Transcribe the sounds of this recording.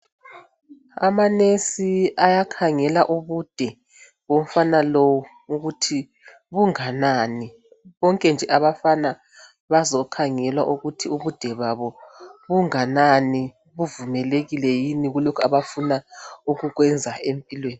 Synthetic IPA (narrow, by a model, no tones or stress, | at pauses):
a̰manesiajakʰaŋɛlaʔuβud̥ʱɛ | βom̩fanalowu | uɣutʰi | βuŋanani | βɔŋkʼɛnd͡ʒʱɛʔaβafana | βazɔkʰaŋɛlwa̰ʔuɣutʰiuβud̥ʱɛβaβɔβuŋanani | βuvumɛleɣilɛjiniɣulokʰua̰βafunauɣuɣwɛnd͡zʱaempʼilweːni